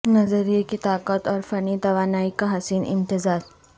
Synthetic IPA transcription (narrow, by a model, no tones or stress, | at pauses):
nɐzəɾiekit̪aːqət̪ɔːɾfɐnit̪ɐʋaːnaːikaɦɐsiːnɪ̰̃mt̪ɪzaːɾ